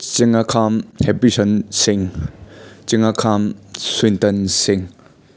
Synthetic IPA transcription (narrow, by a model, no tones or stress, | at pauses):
t͡ʃiŋakʰamhɛpisɔnsiŋ | t͡ʃiŋakʰamswintɐnsiŋ